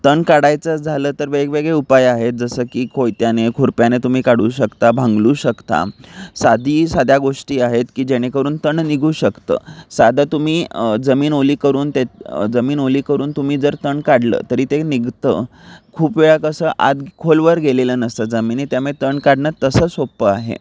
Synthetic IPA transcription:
t̪əɳkaɽajt͡səd͡zʱaləːt̪əɾʋekʋeɡɭeupajaɦet̪̚d͡zəsəːkiːkʰojt̪janekʰuɾpjanet̪um̤iːkaɽuːɕəkt̪abʱãŋɡluːɕəkt̪a̰sad̪ʱiːsad̪ʱjaɡoʂʈiːaɦet̪kiːd͡ʑeɽ̃ekəɾuːnt̪əɳniɡʱuːɕəkt̪ə̰ːsad̪ʱat̪um̤iːd͡zəmiːnoliːkəɾuːnt̪ed͡zəmiːnoliːkəɾuːnt̪um̤iːd͡zəɾt̪əɳkaɽlə̰ːt̪əɾiːt̪eniɡt̪əkʰuːpʋeɭakəsəːʔa̰d̪kʰolʋəɾɡʱelelənəst̪əd͡zəmiːnit̪jamet̪əɳkaɽɳəɾt̪əsəːsopəaɦḛ

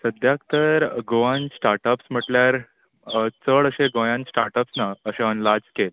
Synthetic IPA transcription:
səd̪ʱjakt̪əɾɡoʋãnsʈaɾʈəpsm̤əʈljaɾ | t͡səɭəɕẽɡojãnsʈaɾʈəpsnaəɕẽənlad͡ʑkel

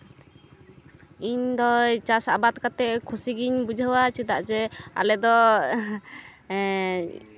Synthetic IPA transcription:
iɲd̪ɔjt͡ʃasa̰bat̪̚kat̪ɛʔkʰusiɡiɲbud͡ʒʱəwat͡ʃid̪aʔd͡ʒɛa̰lɛd̪ɔ

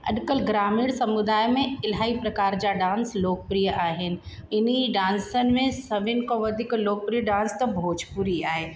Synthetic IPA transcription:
ɐ̰ɗkəlɡɾaːmiːɽsɐmʊd̪aːjmẽɪlɦaːipɾɐkaːɾd͡ʑaɖãːnsloːk̚pɾijəʔaːɦɪnɪ̆ɪniɖãːnsənɪ̆mẽsɐʋɪnkõʋɐd̪ʱiːkloːk̚pɾiːjəɖãːnst̪ɐbʱoːd͡ʑʱpʊɾiaːɦeː

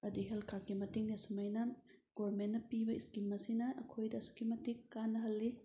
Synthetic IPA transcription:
ɐdiɦelkʰakimɐtiŋnesumɐjnɐ | ɡ̥oɾmenːɐpibɐiskimɐsinɐʔɐkʰojdɐsu̥kimɐtiŋːanːɐɦɐlːi

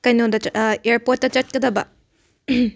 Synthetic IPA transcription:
kajnodɐeɾpot̚ːɐt͡ʃɐt̚kɐd̪ɐbɐ

